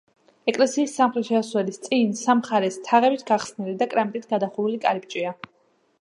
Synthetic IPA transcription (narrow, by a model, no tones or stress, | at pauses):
ɛkʼlɛsiːsːamχɾɛt̪ʃɛaswɛlist̪sʼinsamχaɾɛst̪ʰaʁɛbit̪ʰɡaχsnilid̪akʼɾamt̪ʼit̪ʰɡad̪aχuvulikʼaɾip̚ʼt͡ʃʼia